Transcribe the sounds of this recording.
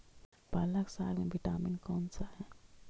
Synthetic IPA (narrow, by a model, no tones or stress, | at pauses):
baːlaksaːlmẽbʱiʈaːminkɔːnsaɦɛ̃ː